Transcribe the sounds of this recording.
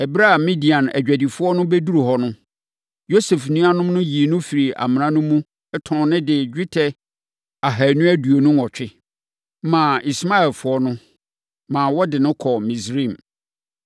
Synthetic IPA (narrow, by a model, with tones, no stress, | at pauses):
ɛ˨bɾa˦˨mĩ˦di˨ã˨næ̰˨d͡ʑᶣæ˨di˨fʊ˦ɔ˦nʊ̃˦bɛ˦du˦ɾu˨hɔ˨nʊ̃˦ | jo˦sɛ˨fnũ˦a˦nʊ̃˦m˦nʊ̃˦ji˨nʊ̃˦fi˨ɾi˨a̰˨mɪ̃˨nã˦nʊ̃˦mũ˦ | ɛ˦tʰɔ̃˨nɪ̃˦dɪ˨d͡ʑᶣɪ˦tʰɛ˨ | a˨ɦæ˨nũ˦æ˦du˨o˨nũ˦ɔ˨t͡ɕᶣɪ˦ | mã˨i˨sma˦ɛ˨lfʊ˦ɔ˦nʊ̃˦ | mãː˨wɔ˦dɪ˨nʊ̃˦kʰɔ˨mĩ˨sɾĩ˦˨m